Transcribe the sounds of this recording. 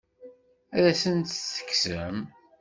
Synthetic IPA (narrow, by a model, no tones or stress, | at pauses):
æɾæsənt̪θə̥kːsəm